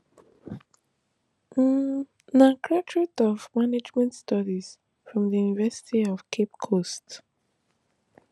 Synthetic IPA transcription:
nakʰɹatʰɹitɔvmaned͡ʒmɛ̃ntstʰɔdiz̥ | fɹɔ̃mðəjunivɛsɪ̥tʰiɔv̥kʰep̚kʰost

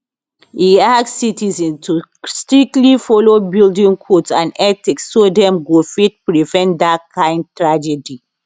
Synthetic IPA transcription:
hiasksːitizɛ̃nstustɹik̚tlifɔlobildĩŋkʰotsãnɛtiksːodɛ̃mɡofit̚pɹivɛ̃ntdakʰãɪ̃nd̚tɹad͡ʒɛdi

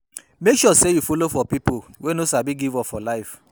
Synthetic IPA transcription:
mekʃɔsejufolofɔpipowɛ̃nosabiɡivɔfɔlaɪf

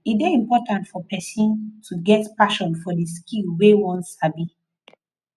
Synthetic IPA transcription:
idɛĩmpɔtãntfɔpɛsĩntʰuɡɛtpaʃɔ̃nfɔdiskilwewɔ̃ntsabi

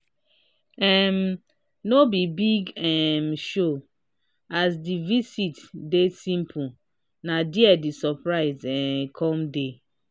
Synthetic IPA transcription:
ɛm | nobibiɡɛmʃo | asdivisitdesĩmpʰu | nadiɛdisɔpɹaɪzɛkʰɔ̃mde

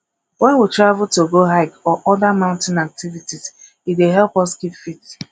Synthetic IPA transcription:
wɛ̃nwitɹavutoɡoɦaɪkɔʔɔdamãʊ̃ntɪ̃nak̚tivitiz | itdeɦɛlpɔskitfit

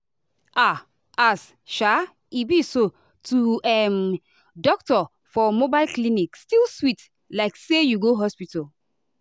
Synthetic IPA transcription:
a | as | ʃa | ibiso | tuɛm | dɔk̚tɔ | fɔmobaɪlklinikstilswit | laɪksejuɡoɦɔspital

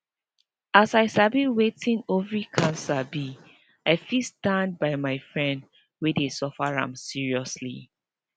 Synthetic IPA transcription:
asaɪsabiwetĩnovɹikʰãnsabi | aɪfistãnd̚baɪmaɪfɹɛ̃nd | wɛdesɔfaɹã̰msiɹiɔslḭ

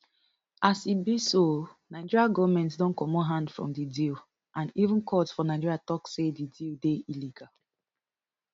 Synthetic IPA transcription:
asit̚bisonaɪd͡ʒiɹiaɡɔvmɛ̃ntsdɔ̃nkɔmoɦãndfɹɔ̰̃mdidil | ãnivũnkʰɔtsfɔnaɪd͡ʒiɹiatɔksedidildeiliɡal

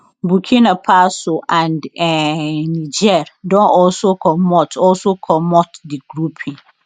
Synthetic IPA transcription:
bukʰĩnãpʰasoʔãndɛnĩd͡ʒɛɾdɔ̃nʔɔlsokʰɔmɔtʰɔlsokʰɔmɔtdɪɡ̥ɾupʰĩŋ

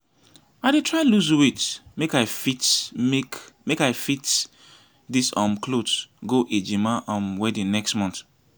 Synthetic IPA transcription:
aɪdetʰɹaɪluzwitmekaɪfit | mekaɪfit | disɔ̃mkʰlotɡoʔed͡ʒimaʔɔ̃mwɛdĩnnɛkstmɔ̃nt

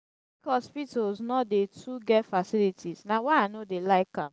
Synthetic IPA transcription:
bikɔspitolznɔdetʰuɡɛtfasilitʰiznawaanodelaɪkã̰m

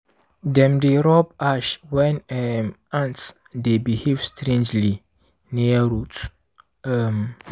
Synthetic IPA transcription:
dɛ̃mdeɾɔbaʃwɛ̃nɛm | ãnt | debihevstʰɾẽnd͡ʒli | nĩaɾutʰ | ɛm

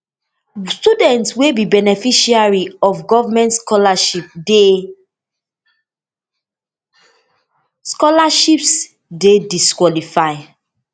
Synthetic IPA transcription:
studɛ̃ntswebibɛnɛfiʃiaɹiɔfɡɔvamɛ̃ntskɔlaʃip̚de | skɔlaʃips | dediskwɔlifaɪ

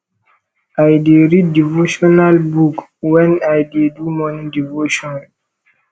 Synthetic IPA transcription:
ajdeɾid̚ːivoʃɔnalbukwɛ̃najdedumɔnĩdivoʃɔ̃nn

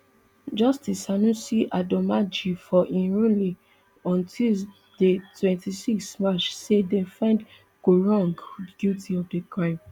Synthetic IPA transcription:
d͡ʒɔstisanũsiʔadɔmad͡ʒifɔʔĩɹũli | ɔ̃ntʰil | detwɛ̃ntisiksmat͡ʃsedɛ̃fɹɛ̃nd | ɡ̥oɹɔ̃ŋɡdɡiltiɔfdekɹãɪ̃m

